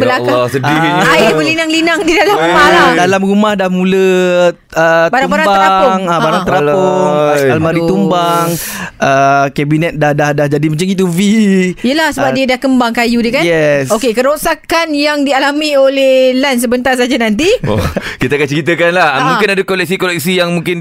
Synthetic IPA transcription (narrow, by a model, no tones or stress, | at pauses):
bəlalkasədiiaibəlinaŋlinaŋdidalamɾumahladalamrumahdahmũlə | ətbaɾaŋumbaɾaŋbaəɾapʊŋabaɾaŋt̪əɾapoasalmaɾit̪umbaŋʔəkɛbinɛt̪̚dahdahdahd͡ʒadimãɲt͡ʃamit̪̬uviijəlahsəbap̚diədahkəmbaŋkajudiəkajɛsokekəɾosakanjaŋdialamiolɛhlans̬əbənt̪arsad͡ʒanant̪iɔ̰kit̪aakant͡ʃəɾit̪əkanlahmũŋkɪnadəkolɛk̚sikolɛk̚sijaŋmũŋkɪn